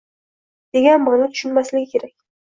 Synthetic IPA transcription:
d̪̥e̞ɡʲanbɨʁnɪt̪ʰʊ̥ʃʊnmaslɪɡʲɪkʲʰe̞ɾakʲ

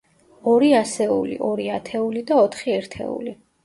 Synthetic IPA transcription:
ɔɾiasɛṵlḭʔɔɾiat̪ʰɛulid̪aɔt̪ʰχiɛɾt̪ʰɛ̰ṵli

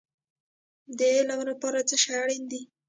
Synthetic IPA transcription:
d̪əlawnapɑɾat͡səʃaɽind̪i

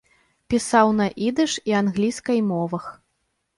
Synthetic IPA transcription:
pʲisawnɐʔid̪ɨʂianɣlʲiskɐjmɔvɐx

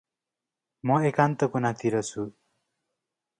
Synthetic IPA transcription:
mʌekant̪ʌkonãt̪ʰiɾʌt͡sʰu

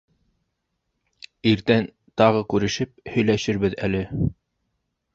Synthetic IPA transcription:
iɾt̪æn | t̪ɑʁɤkʉɾɘ̆ʃɘp̚hɵ̆jlæʃɘɾβɘðælɘ

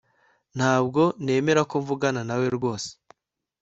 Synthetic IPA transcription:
n̥haːb̚ɡo̞ne̞ːme̞ɾakoɱvuɡananawe̞ɾɡo̞ːse̥

